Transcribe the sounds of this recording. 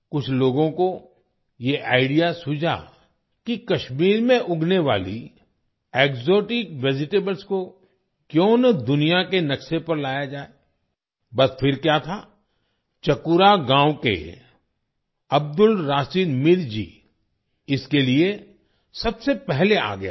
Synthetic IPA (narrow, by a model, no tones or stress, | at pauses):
kʊt͡ʃʰloːɡõko | jeʔa̰ːɪɖijasʊd͡ʒʱa̰ | kikɐʃmiːɾmẽʔʊɡneʋa̰ːlḭ | eːkzoːʈɪkʋɪd͡ʒɪʈeːbəlsko | kjõːnɐd̪ʊnijakenɐkʃepɐɾlaːjad͡ʒaːe | bɐspʰɪɾkjaːt̪ʰa | t͡ʃɐkʊɾaɡãːwkḛ | ɐb̚d̪ʊlɾaːsiːd̪mɪɾd͡ʒḭː | ɪskelie | sɐbsepɛɦlea̰ːɡɐja̰ː